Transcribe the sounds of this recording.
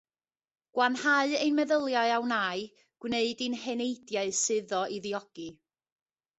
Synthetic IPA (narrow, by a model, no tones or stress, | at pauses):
ɡ̥wanhaɨejnmɛðəlˠjaɨawnaɨ | ɡ̥wneɨdɨnhɛnejdjaɨsɨðɔʔiðiɔɡ̥i